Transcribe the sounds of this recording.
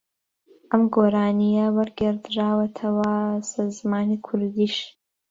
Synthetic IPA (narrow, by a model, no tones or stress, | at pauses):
ʔɐmɡoːɾaːnijɐwɐɾɡɪɾd̪ɾaːwɐt̪ʰɐwɐsaɾzmaːnikʰʊɾd̪iːʃ